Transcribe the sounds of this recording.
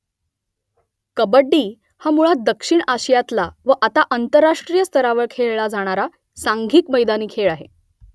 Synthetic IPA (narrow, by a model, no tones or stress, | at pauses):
kəbəɖːiː | hamuɭad̪əkʂiɳaɕəjat̪laʋəʔat̪aʔənt̪əɾːaʂʈɾijəst̪əɾaʋəɭkʰeɭɭad͡zʱaɽ̃aɾa | saŋɡʱiːkməjd̪aniːkʰeɭaɦe